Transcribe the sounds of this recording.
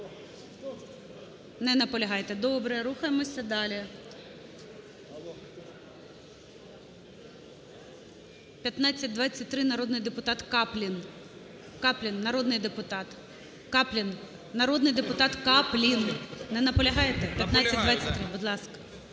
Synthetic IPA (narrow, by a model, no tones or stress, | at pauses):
nɛnɐpɔlʲɐɦɑjt̪ɛd̪ɔbɾɛɾuxɐjemɔsʲɐd̪ɑlʲi | pʲjɐt̪nɑt͡sʲːɐt̚ʲd̪ʋɑt͡sʲːɐtʲt̪ɾɪnɐɾɔd̪nɪjd̪epʊt̪ɑt̪kɑplʲin | kɑplʲinːɐɾɔd̪nɪjd̪epʊt̪ɑt̪ | kɑplʲin | nɐɾod̪nɪjd̪epʊt̪ɑt̪kɑplʲinnɛnɐpɔlʲɐɦɑjet̪ɛpʲjɐt̪nɑsʲɐdd̪ʋɑt͡sʲːɐt̪̚ʲt̪ɾɪbʊd̪lˠɑskɐ̥